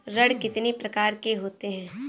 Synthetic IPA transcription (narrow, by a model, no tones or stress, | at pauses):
ɾɐɽkɪt̪nipɾɐkaːɾkeɦoːt̪eɦɛ̃ː